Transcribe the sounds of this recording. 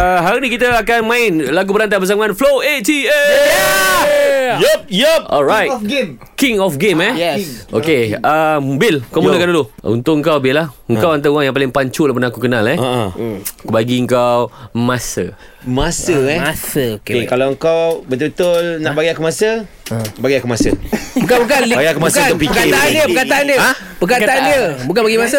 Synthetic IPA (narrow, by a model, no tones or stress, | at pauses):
əɦaɾuʔnĩkit̪əakanmãɪnlaɡubəɾant̪abəs̬amanfloet̪iɛ | jəp̚jpʔɔlɹajtɡ | kiŋɔfɡemɛjʔo̰keəbɪlŋkamunəkanduluṵnt̪ʊʔk̚əŋkawbɪlahəŋkawant̪auaŋjaŋpalɪŋpaɲt͡ʃulahpənaːkukənalɛ | kbaɡiəŋkawmasə̰ | masəɛasəokkekalawəŋkawbət̪ubət̪ʊlnãʔbaɡiakumasə | baɡiakumasəbukabukanlaɡiakumaskaəpipəkkaaandiəpəkat̪aandiəa | pəkat̪aandiəbuk̬anbaɡimasə